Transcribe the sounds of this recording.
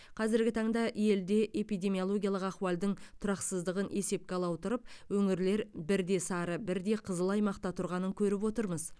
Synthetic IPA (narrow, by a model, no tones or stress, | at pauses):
qʰɑzɪɾɡʲɪt̪ʰɑɴd̪ɑʔje̞ld̪e̞ʔe̞pijd̪e̞mijo̞lˠo̞ɡʲijalˠəqɑχwɑlˠd̪əɴt̪ʰʊɾɑqsəzd̪əʁənʔe̞se̞p̚kʲeɑlˠɑwt̪əɾəp̚wɵŋɪɾle̞ɾbɪɾd̪e̞sɑɾəbɪɾd̪e̞qʰəzəlˠɑjmɑqt̪ɑt̪ʰʊɾʁɑnəŋkʲʰɵɾɪp̬wo̞t̪əɾməz